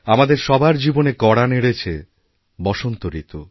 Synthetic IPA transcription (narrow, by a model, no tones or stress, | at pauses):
amad̪eɾʃɔbʱaɾd͡ʑibonekɔɽaneɽet͡ɕʰe | bɔʃont̪oɾit̪o